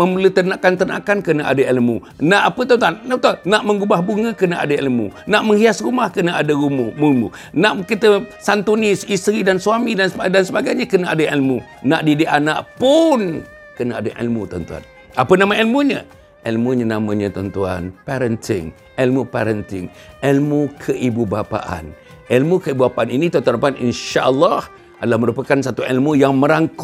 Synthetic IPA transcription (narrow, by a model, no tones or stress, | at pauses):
məmulut̪ənakant̪əna̰kankənaʔa̰dəilmṵ | naʔapət̪ənt̪uanːat̪anaʔməŋɡubahbuŋəkənaʔa̰dəilmṵnaʔməŋhiasɾumahkənəadəɾumumulmṵ | naʔkit̪əsant̪unisist̪ɾidansuamidansadansəbaɡajɲəkənəʔadəilmunaʔdideʔanaʔpʊn | kənaadəʔḭlmut̪ənt̪ua̰n | apənãmãilmuɲə̰̃ | ʔilmuɲanamãɲə̃t̪ənt̪ua̰npɛɾənt̪ʰɪ̰ŋ | ʔilmupɛɾənt̪ɪŋ | ʔilmukʰəʔibubapa̰ʔa̰n | ilmukəibubapaaninĩt̪ənt̪uanapaninʃaʔəlːɑh | ʔadalahmə̃ɾupəkansat̪uilmujaŋmə̃ɾaŋku